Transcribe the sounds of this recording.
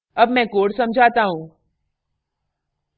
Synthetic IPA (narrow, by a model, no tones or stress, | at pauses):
əbmɛ̃koːɽsəmd͡ʒʱat̪aɦũ